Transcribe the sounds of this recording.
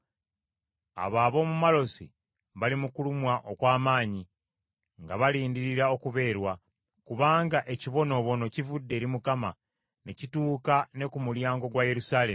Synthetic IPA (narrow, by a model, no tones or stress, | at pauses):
a̰βaːβo̞ːmumalo̞si | βalimukulumwaʔo̞kwaːmaːɲi | ŋɡaβaliːndiɾiɾao̞kuβe̞ːɾwa | kuβaːŋɡaʔe̞ciβo̞no̞ːβo̞no̞civudːe̞ːɾimukama̰ | ne̞cituːkane̞kumuljaːŋɡo̞ɡwaje̞ɾusaːle̞m